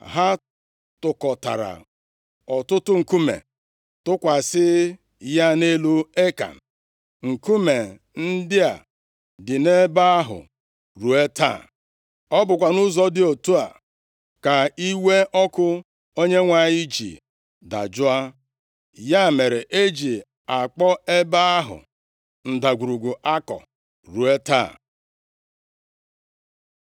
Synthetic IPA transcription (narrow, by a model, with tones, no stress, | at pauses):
ɦa˦ | tʊ˨kɔ˨ta̰˨ɾa̰˨ | ɔ˨tʊ˦tʊ˦ŋ̩˨ku˦mḛ˨ | tʊ˦kʷa˨sɪ˦ | ja˦ne˦lu˦e˦ka̰˨ | ŋ̩˨ku˦me˨ | n̩˦dɪ˦a̰˨ | dɪ˨ne˦ba˦a˦ɦʊ̰˨ | ɾu˨e˦ta̰˦˨ | ɔ˦bʊ˨kʷa˨nʊ˦zɔ˦dɪ˦o˨tu˦a̰˨ | ka˨i˦we˦ʔɔ˦kʊ˦ | o˦ɲe˦ŋʷa˨ɲi˦d͡ʒḭ˨ | da̰˨d͡ʒʊ˦a˦ | ja˦˨me˨ɾe˨ʔe˦d͡ʒi˨ | a˨k͡pɔ˦e˦ba˦a˦ɦʊ̰˨ | n̩˨da˨ɡʷu˨ɾu˨ɡu˨ʔa˦kɔ̰˨ | ɾu˨e˦ta̰˦˨